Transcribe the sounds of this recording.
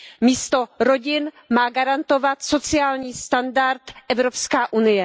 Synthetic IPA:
miːst̪o̞ɾo̞ɟɪn | maːɡaɾant̪o̞vat̪so̞t͡sɪaːlɲiːst̪andaɾt̪ʔɛvɾopskaːʔunɪjɛ

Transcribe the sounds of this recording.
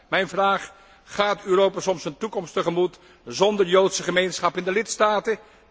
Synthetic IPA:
mɛjnvraːχ | χaːtyːrowpasɔmsəntukɔmstəχəmut | zɔndəɹjowtsəχəmejnsχɑpɪndəlɪtstaːtə

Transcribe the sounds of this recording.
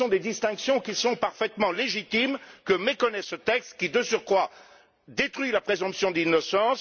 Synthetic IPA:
ɔ̃d̪ed̪ist̪ɛ̃ksjɔ̃kʲisɔ̃paʁfɛt̪mɑ̃leʒit̪imkəmekɔnɛsət̪ɛkst̪kʲid̪əsyʁkwa | d̪et̪χɥilapχezɔ̃psjɔ̃d̪inɔsɑ̃s

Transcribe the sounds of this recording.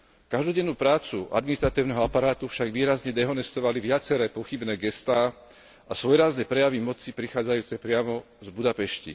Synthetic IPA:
kaʒd̪ɔɟɛnːuːpɾaːt͡suʔa̰d̪minist̪ɾat̪iːʊnɛɦɔapaɾaːt̪ufʃaɡʋiːɾazɲɛd̪ɛɦɔnɛst̪ɔʋaliʋɪat͡sɛɾɛːpɔxibnɛːɡɛst̪aː | asʋɔjɾaznɛpɾɛjaʋimɔt͡sipɾixaːd͡zajuːt͡sɛpɾɪamɔ | zbud̪apɛʃcḭ

